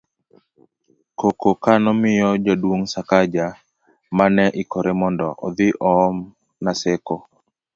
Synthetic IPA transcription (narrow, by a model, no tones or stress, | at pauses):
kokokanɔmɪjɔd͡ʒadwoŋsakad͡ʒa | manɛʔɪkɔɾemɔndɔʔɔ̰d̪ɪʔɔːm | naseko